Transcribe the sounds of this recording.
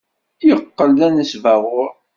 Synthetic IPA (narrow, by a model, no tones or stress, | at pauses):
jəqːəld̪ænəsvæʁʊɾ